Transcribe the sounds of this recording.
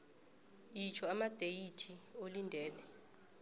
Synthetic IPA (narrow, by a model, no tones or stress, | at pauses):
it͡ʃʰɔamad̥ʱejitʰiolindʱɛːlɛ